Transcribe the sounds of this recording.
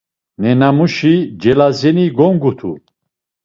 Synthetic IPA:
nɛnamuʃid͡ʒɛlazɛniɡɔŋɡut̪ʰu

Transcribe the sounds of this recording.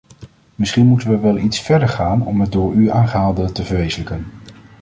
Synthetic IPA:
mɪsχinmutənʋəʋɛlˠitsfɛɹdəɹχaːnɔ̰mɦət̚dʊːɹyaːnχəɦaːlˠdətəvəɹʋejzələkən

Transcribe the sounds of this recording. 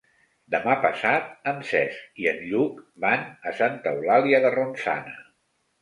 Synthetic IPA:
d̪əmapəsat̪̚əmsɛskiənʎukbanəsant̪əwlaliəðəronsa̰nə

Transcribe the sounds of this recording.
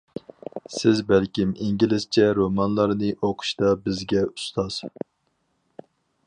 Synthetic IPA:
sɪzbælkʲimiŋɡʲilɪst͡ʃʰɛɾomɑnlˠɑɾnɨʔoqʰʊ̥ʃt̪ɑbɪzɡʲɛu̥st̪ʰɑz̥

